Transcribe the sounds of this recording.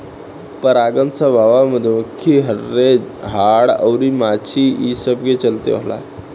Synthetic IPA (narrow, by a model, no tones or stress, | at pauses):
pəɾaɡənt͡səbʱaʋaməd̪ʱːjeməkʰːiɦəɾːed͡ʑɦaɽə̰wɾimat͡ɕʰiisəb̚ɡet͡ɕəlt̪ḛoɦla̰